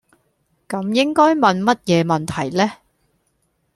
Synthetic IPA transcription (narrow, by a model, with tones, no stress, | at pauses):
kɐ˨˧mjɪ˥ŋkɔː˥jmɐ˨nmɐ˥t̚jɛː˨˧mɐ˨nt̪ʰɐ˨˩jlɛː˥